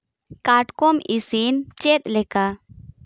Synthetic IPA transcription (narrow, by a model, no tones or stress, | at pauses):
kaʈkɔmisint͡ʃɛt̪̚lɛka